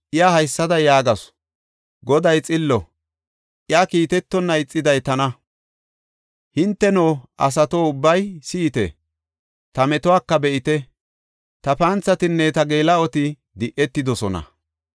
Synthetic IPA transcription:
ʔɪjahɐjsːɐd̪ɐjaːɡɐs | ɡɔd̪ɐjt͡sʼɪlːɔ | ʔɪjakiːt̪ɛt̪ːɔnːɐɪt͡sʼːɪd̪ɐjt̪ɐnɐ | hɪnt̪ːɛnoːʔɐs̬ɐt̪oːʊbːɐjsiːt̪ɛ̰ | t̪ɐmɛt̪ɔwaːkːɐbɛʔɪt̪ɛ | t̪ɐpɐːnt͡sːɐt̪ɪnːɛt̪ɐɡeːlɐɔt̪ɪ | d̪ɪʔɛt̪ːɪd̪ɔsɔnɐ̰

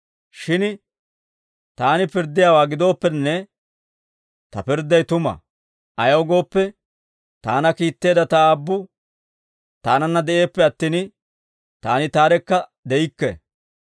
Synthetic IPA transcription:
ʃɪn | t̪aːnɪpɪɾd̪ːɪjaːwaːɡɪd̪o̞ːpːɛnːɛ | t̪ɐpɪɾd̪ːɐjt̪ʊmɐ̰ | ɐjɐwɡo̞ːpːɛ | t̪aːnɐkiːt̪ːe̞ːd̪ɐt̪ɐaːbːʊ | t̪aːnɐnːɐd̪ɛʔe̞ːpːɛɐt̪ːiːn | t̪aːnɪt̪aːɾɛkːɐd̪ɛɪkːɛ̰

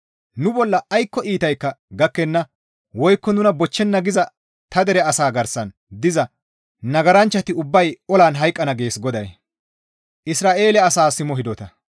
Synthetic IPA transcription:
nʊbɔlːɐːjkːɔʔiːt̪ɐjkːɐɡɐkːɛnːɐ | wɔjkːɔnʊnɐbɔt͡ʃːɛnːɐɡɪzɐ | t̪ɐd̪ɛɾɛɐsaːɡɐɾsɐn | d̪ɪzɐ | nɐɡɐɾɐnt͡ʃːɐt̪ɪʊbːɐjɔlaːnɦɐjkʼːɐnɐɡe̞ːsɡɔd̪ɐ̰j | ʔɪsɾaːʔe̞ːlɛɐsaːsɪmɔɦɪd̪ɔt̪ɐ

